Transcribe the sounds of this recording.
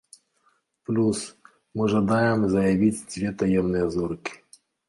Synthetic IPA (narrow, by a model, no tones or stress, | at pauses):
plʲus | mɨʐɐd̪ajɪmzɐjɐvʲitʲsʲvʲet̪ɐjɛmnɨjɛzɔrkʲɪ̥